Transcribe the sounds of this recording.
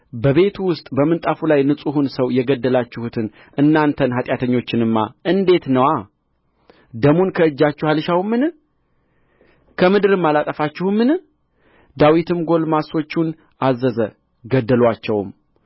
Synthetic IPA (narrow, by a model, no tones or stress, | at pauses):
bəβe̞t̪ʰuwʊst̪ʼbəmɨnt̪ʼafulajnɨsʼuhunsəwjɛɡəd̪ːəlat͡ʃːɪhut̪ʰɨn | ʔɨnːant̪ʰənɦat̪ʼjat̪ʰəɲːo̞t͡ʃːɪnɨmːa̰ʔɨnd̪e̞t̪nəwa | d̪əmunkʰəɨd͡ʒːat͡ʃːuhalɨʃawmːɨn | kʰəmɨd̪ɨɾɨmːalat̪ʼəfat͡ʃːɪhumːɨn | d̪awit̪ʰɨmɡo̞lmaso̞t͡ʃːun | ʔazːəzə | ɡəd̪ːəlwat͡ʃːɛwm